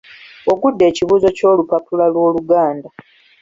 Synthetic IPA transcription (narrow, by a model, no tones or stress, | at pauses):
o̞ɡudːe̞ːciβuːzo̞co̞ːlupapulalwo̞ːluɡaːnda